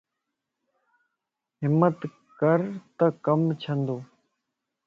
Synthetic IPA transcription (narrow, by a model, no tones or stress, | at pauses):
ɦɪmːət̪ | kəɾt̪əkəmt͡ʃʰə̃nd̪oː